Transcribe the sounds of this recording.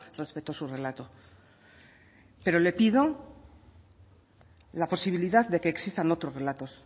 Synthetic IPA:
re̞spe̞t̪oasure̞lat̪o̞ | pe̞ɾo̞le̞piðo̞ | lapo̞siβ̞iliðaððe̞ke̞ːksist̪ano̞t̪ɾo̞sre̞lat̪o̞s

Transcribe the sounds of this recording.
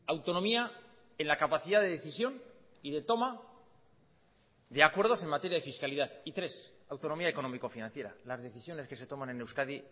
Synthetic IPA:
awt̪o̞no̞mia | enlakapaθiðaðe̞ðe̞θisjo̞n | iðe̞t̪o̞ma | ðe̞akwe̞ɾð̞o̞se̞ŋmat̪e̞ɾjað̞e̞fiskaliðaðit̪ɾe̞s | awt̪o̞no̞miaeko̞no̞miko̞finãnθje̞ɾa̰lazðe̞θisjo̞neske̞se̞t̪o̞manenewskaði

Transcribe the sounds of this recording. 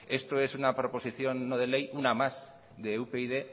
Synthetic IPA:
e̞st̪oe̞sunapɾo̞po̞siθjo̞nːoð̞e̞le̞junamaz | ðeupeiðe

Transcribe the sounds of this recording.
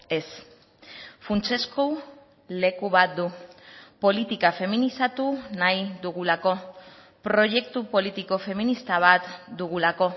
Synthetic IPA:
e̞s | funt͡se̞sko | le̞kuβat̪̚d̪upo̞lit̪ikafe̞minisat̪unajd̪uɣulako̞ | pɾo̞ʝe̞k̚t̪upo̞lit̪iko̞fe̞minist̪aβ̞at̪d̪uɣ̞ulako̞

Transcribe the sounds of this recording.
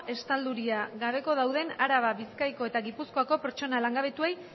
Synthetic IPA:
ʔe̞st̪ald̪uɾiaɣaβe̞ko̞ðawð̞e̞naɾaβaβiskajko̞e̞t̪aɣipusko̞ako̞pe̞ɾt͡ʃo̞nalaŋɡaβ̞e̞t̪uej

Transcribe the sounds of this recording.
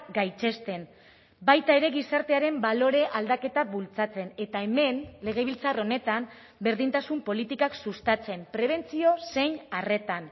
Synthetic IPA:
ɡajt͡ʃe̞st̪e̞n | bajt̪ae̞ɾe̞ɣisaɾt̪e̞aɾe̞mbalo̞ɾe̞ʔald̪ake̞t̪aβult͡sat͡se̞ne̞t̪ae̞me̞nle̞ɣ̞e̞β̞ilt͡saro̞ne̞t̪am | be̞ɾðint̪asumpo̞lit̪ikaksust̪at͡se̞mpɾe̞β̞e̞nt͡sio̞se̞jɲare̞t̪an

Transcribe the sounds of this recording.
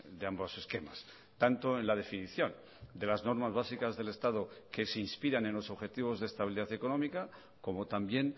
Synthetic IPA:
d̪eambose̞ske̞ma̰s | t̪ant̪o̞enlað̞e̞finiθjo̞n | d̪e̞lazno̞ɾmazβasikazðe̞le̞st̪aðoke̞seinspiɾanẽ̞nlo̞so̞βxe̞t̪iβ̞o̞zðest̪aβiliðaθe̞ko̞nõ̞mika | ko̞mo̞t̪ambje̞n

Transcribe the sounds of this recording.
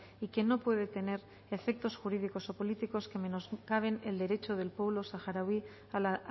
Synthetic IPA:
ike̞no̞pweð̞e̞t̪e̞ne̞ɾ | efe̞k̚t̪o̞sxuɾið̞iko̞sopo̞lit̪iko̞ske̞me̞noskaβ̞e̞neld̪e̞ɾe̞t͡ʃo̞ð̞e̞lpwe̞β̞lo̞saxaɾawi | ala

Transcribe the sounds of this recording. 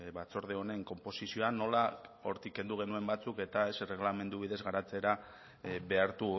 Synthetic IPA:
βat͡so̞ɾð̞e̞o̞ne̞ŋko̞mpo̞sisio̞ano̞lao̞ɾt̪ike̞nd̪uɣ̞e̞nue̞mbat͡suke̞t̪ae̞sre̞ɣlame̞nd̪uβiðe̞zɣaɾat͡se̞ɾa | βe̞aɾt̪u

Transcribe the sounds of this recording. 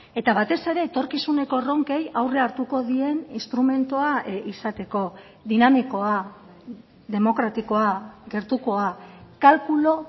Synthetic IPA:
e̞t̪aβat̪e̞se̞ɾe̞ːt̪o̞ɾkisune̞ko̞ro̞ŋke̞jawre̞aɾt̪uko̞ðie̞ninst̪ɾume̞nt̪uaisat̪e̞ko̞ | ðinamiko̞a | ðe̞mo̞kɾat̪iko̞aɡe̞ɾt̪uko̞akalkulo̞

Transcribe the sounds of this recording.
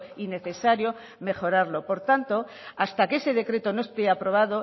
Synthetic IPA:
ine̞θe̞saɾjo̞ | me̞χo̞ɾaɾlo̞po̞ɾt̪ant̪o̞ | ast̪ake̞se̞ðe̞kɾe̞t̪o̞no̞est̪eapɾo̞β̞aðo̞

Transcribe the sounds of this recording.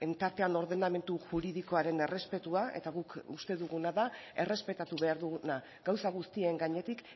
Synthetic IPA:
e̞nt̪aɾt̪e̞ano̞ɾðe̞name̞nt̪uʝuɾiðiko̞aɾe̞ne̞re̞spe̞t̪uae̞̰t̪aɣukust̪e̞ðuɣunaðae̞re̞spe̞t̪at̪uβe̞aɾðuɣuna | ɡawsaɣ̞ust̪ie̞ŋɡaɲe̞t̪ik

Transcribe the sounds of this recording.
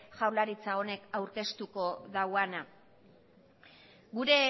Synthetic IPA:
ʝawlaɾit͡sao̞ne̞kawɾke̞st̪uko̞ðawana | ɡuɾe̞

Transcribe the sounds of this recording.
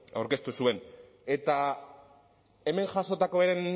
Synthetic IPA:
a̰wɾke̞st̪usue̞n | e̞t̪a | e̞me̞ŋʝaso̞t̪ako̞βeɾen

